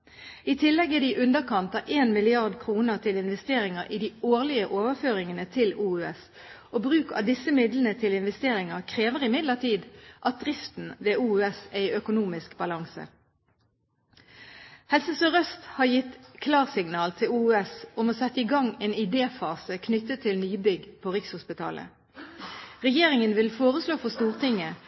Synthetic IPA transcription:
iːt̪ʰɪlːɛɡəd̪iʔʉnd̪əkʰɑnt̪ɑʔeːnmɪlɪɑʁd̪kʰʁuːnəʁt̪ʰɪlɪnʋɛst̪eːʁɪŋəʁʔiːd̪iːoːʁlɪəʔoːʋəføːʁɪŋənət̪ʰɪluːʉːɛs | ʔoːbʁʉːkɑ̰d̪ɪsəmɪd̪lənət̪ʰɪlɪnʋɛst̪eːɾɪŋəkʰʁeːʋəʁɪmɪd̪ləʁt̪ʰiːd̪ʔɑt̪̚d̪ʁɪft̪n̩ʋeːuːɛsæɪʔœkʊnuːmɪskbɑlɑŋsə̰ | hɛlsəsøʁœst̪hɑːjɪt̪kʰlɑːʁsɪŋnɑːlt̪ʰɪluːʉːɛsʊmoːsɛt̪ːəɪɡɑŋeːnɪd̪eːfɑːsəkʰnʏt̪ːət̪ʰːɪlnyːbʏɡpʰoːʁɪkshʊspɪt̪ʰɑ̰ːlʔə̰ | ʁɛjeːʁɪŋənʋɪlfoːʁəsloːfɔst̪uːʁt̪ɪŋə

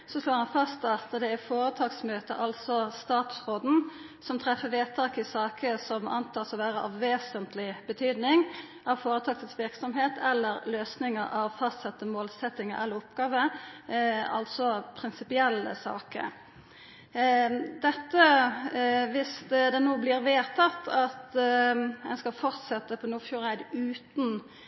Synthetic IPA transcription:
sɔsloːʁhɑnfɑst̪ɑt̪əd̪ɛæfoːɾət̪ʰɑːɡsmøːt̪ə̰ʔɑlsɔst̪ɑːt̪sʁoːd̪n̩ | sɔmt̪ʰɾɛfːəʋeːt̪ʰɑːkɪsɑːkʰəsɔmʔɑ̰nt̪ʰɑːsɔʋæːʁəʔɑʋʋeːsənt̪lɪbət̪ʰyːd̪nɪŋ | ɑʋfoːɾət̪ʰɑːɡ̚t̪ʰɪsʋɪʁksɔmɦeːt̪ʰɛlːəɾløːsnɪŋəɾʔɑʋfɑst̪sɛt̪ːəmoːlsɛt̪ːɪŋəʔɛlːəɾʊpɡ̥ɑːʋə | ɑlt̪sɔpʰɾɪnsɪpɪɛlːə̰sɑ̰ːkə̰ | d̪ɛt̪ːə | ʋɪsd̪ɛnoːblɪɾʋeːt̪ʰɑt̪ʰːɑt̪ | ɛnskɑlfɔʁt̪sɛt̪ːəpʰɔnuːfjuːʁæɪd̪ʉːt̪n̩

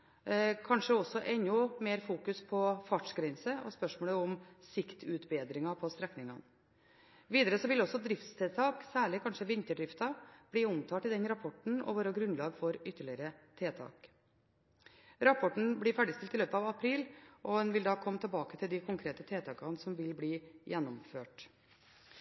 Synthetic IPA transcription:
kʰɑnʂəɔsːɔʔɛnːʊmeːɾfuːkʉspʰɔfɑʈʂɡɾɛnsəɔ̰spœʂmoːləɔmsɪkt̪ʰʉːt̪beːd̪ɾɪŋɑpʰɔst̪ɾɛknɪŋɑ̰n | ʋiːd̪əɾəsɔʋɪlɔsːɔd̪ɾɪft̪st̪ʰeːt̪ʰɑːksæːɭɪkʰɑnʂəʋɪnt̪əɖɾɪft̪ɑb̥liːʊmt̪ʰɑːt̪ɪd̪ɛnɾɑpʰɔʈɳ̩ɔ̰ʋoːɾɑɡɾʉnlɑːɡfɔɾʏt̪ːəɭɪəɾət̪ʰeːt̪ʰɑ̰ːk | ɾɑpʰɔʈɳ̩bliːfæːɖɪst̪ɪlt̪ːɪløːpəɑʋɑpʰɾiːlʔɔɛnʋɪld̪ɑːkʰɔmːət̪ʰəlbɑːkət̪ʰɪld̪ɪkʰʊŋkʰɾeːt̪ət̪ʰeːt̪ɑːkɑnsɔmʋɪlbliːjʔɛnːɔmføːʈ

